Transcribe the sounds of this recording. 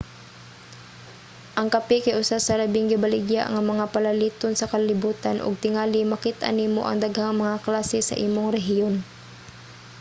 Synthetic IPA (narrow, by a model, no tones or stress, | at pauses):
ʔɐŋkɐpikajʔʊsasɐlɐbɪŋɡɪbɐlɪɡja̰ʔŋɐmɐŋapɐlɐliːt̪onsɐkɐllɪbuːt̪anʔʊ̰ɡ̚t̪ɪŋaːlɪmɐkit̪ʔa̰nimo̰ʔɐ̰ŋd̪aɡhaŋmɐŋaklaːsɛsɐ̰ʔiːmoŋɾɛɦɪjon